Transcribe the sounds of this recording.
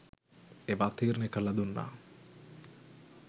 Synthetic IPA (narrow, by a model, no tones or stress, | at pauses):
eʋat̪iːɾnekɐlɐd̪unːa̰ː